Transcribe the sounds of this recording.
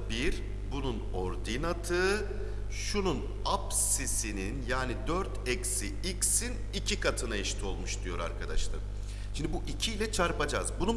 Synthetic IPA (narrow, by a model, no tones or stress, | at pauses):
biɾ | bununoɾd̪inat̪ʰɯː | ʃunun | ap | sisininjaːnid̪øɾt̪ʰɛcsi | iksin | icʰikʰat̪ʰɯnaiʃt̪ʰio̞lˠmuʃd̪ijo̞ɾa̰ɾkʰad̪a̰ʃlˠɯ̰ɾ | ʃind̪ibuʔicʰiːlʲɛt͡ʃʰaɾpad͡ʒazbunu